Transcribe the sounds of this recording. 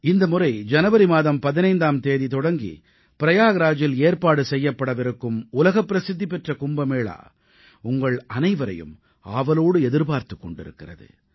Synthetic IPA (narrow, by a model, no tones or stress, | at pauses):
ɪnd̪ɐmʊrɐɪd͡ʒɐnɐʋɐɾimaːðɐmpɐðɪnɐɪnd̪aːmt̪eːðit̪ɔɽɐŋɡḭ | pɪɾɐjaːɣɐɾaːd͡ʒɪleːrpaːɽɯsɛjːɐpːɐɽɐʋɪɾɯkːɯmʊlɐɣɐpːɪɾɐsɪd̪ːipɛʈrɐkʊmbɐmeːɭa̰ː | ʊŋɡɐɭɐnɐɪʋɐɾɐ̰jɯ̰m | aːʋɐloːɽɯɛðɪɾpaːɾt̪ɯkːɔɳɖɪ̰ɾɯ̰kːɪrɐ̰ðɯ̰